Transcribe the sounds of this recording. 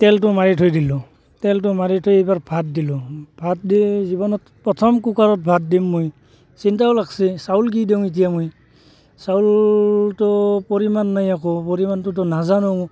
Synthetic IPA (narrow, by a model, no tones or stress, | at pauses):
tɛlt̬ʊmaɹitʰojdilɔ | tɛltʊmaɹitʰojɛjbaɹbʱat̚dilɔbʱat̚dizibɔnɔtpɹɔtʰɔmkukaɹɔt̚bʱat̚dimːoj | sintawlaksesaulk̬idĩŋit̬ijamoj | saultʊpoɹimanːajakɔpoɹimantʊt̬ɔnazanɔŋ